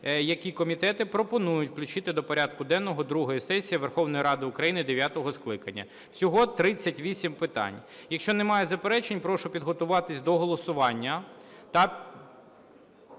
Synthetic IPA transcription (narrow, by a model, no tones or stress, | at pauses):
jɐkʲikɔmʲit̪ɛt̪ɪpɾɔpɔnujʊtʲwklʲʊt͡ʃɪt̪ɪd̪ɔpɔɾʲad̪̚kʊd̪ɛnːɔɦɔd̪ɾuɦɔjisɛsʲijiʋerxɔwnɔjiɾɑd̪ɪʊkɾɐjinɪd̪eʋʲjat̪ɔɦɔsklˠɪkɐnʲːɐ̰ | sʲɔɦɔt̪ɾɪt͡sʲːɐtʲʋʲisʲimpɪt̪ɑ̰nʲjɐkʃt͡ʃɔnemɑjezɐpeɾɛt͡ʃenʲpɾɔʃʊpʲid̪ɦɔt̪ʊʋɑt̪ɪsʲd̪ɔɦɔlˠɔsʊʋɑnʲːɐt̪ɐ